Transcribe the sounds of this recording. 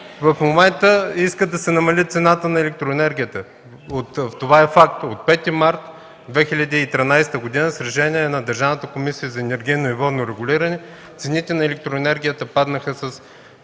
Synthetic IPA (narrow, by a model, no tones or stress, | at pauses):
vɐfmomɛnt̪əiskəd̪ɐsɛnɐmɐlʲit̪sɛnat̪ənɐɛlɛk̚t̪ɾoɛnɛɾɡʲijət̪ə | ot̪ft̪ovaɛfak̚t̪ot̪̚pɛt̪imaɾt̪ | d̪vɛxilʲɐd̪iːt̪ɾinajst̪əɡod̪inəsɾɛʃɛniɛnɐd̪ɐɾʒavnət̪əkomisijəzɐɛnɛɾɡʲijnoivɔd̪noɾɛɡʊliɾɐnɛ | t̪sɛnit̪ɛnɐɛlɛk̚t̪ɾoɛnɛɾɡʲijət̪əpad̪nəxəsɐs